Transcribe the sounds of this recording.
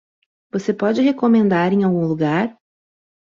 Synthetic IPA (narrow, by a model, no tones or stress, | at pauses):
vosepɔd͡ʒɪɦekomẽnd̪aɾẽj̃awɡũluɡaɾ